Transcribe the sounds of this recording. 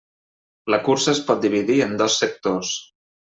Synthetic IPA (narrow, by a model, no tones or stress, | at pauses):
ləkuɾsəespɔt̪̚d̪iβiðiənd̪ɔsːək̚t̪os